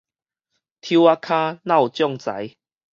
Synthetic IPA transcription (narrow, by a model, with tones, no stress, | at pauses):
t̪ʰju˧˦a˧kʰã˦nã˥˧˨wt͡ɕjɔ˥˧ŋt͡sa̰˨˦j